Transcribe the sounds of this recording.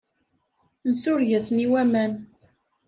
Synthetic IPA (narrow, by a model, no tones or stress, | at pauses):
nsʊɾʝæsniwæmæn